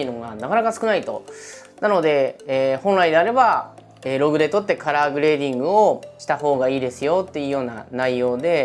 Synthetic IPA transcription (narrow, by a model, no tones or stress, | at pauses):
eiɯ̟noɡanakanakasɨ̥kɯ̟nait̪o̞̰nano̞d̪e̞ːhõ̞nɾaid̪e̞aɾe̞ba | eːɾo̞ɡɯ̟d̪e̞t̪o̞t̪ːe̞kaɾaːɡɯ̟ɾe̞ːd̪ʲĩŋɡɯ̟o̞ɕi̥t̪aɦo̞ːɡaiːd̪e̞sɨjo̞t̪ːe̞iɯ̟jo̞ːna̰naijo̞ːd̪e̞